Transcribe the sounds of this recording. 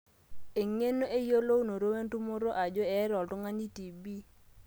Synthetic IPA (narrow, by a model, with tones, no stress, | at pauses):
e˨ŋe˦no˦ʔe˦jo˦lo˦u˦no˨ɾo˦we˦ntu˦mo˦ɾo˦ʔa˨d͡ʒɔ˦ɛ˨˦ɾɔ˨ltɔ˦ŋa˦ɲi˦ti˨bi˦